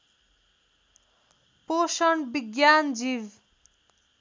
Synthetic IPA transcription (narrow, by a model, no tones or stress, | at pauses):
posʌɳbiɡjand͡ziw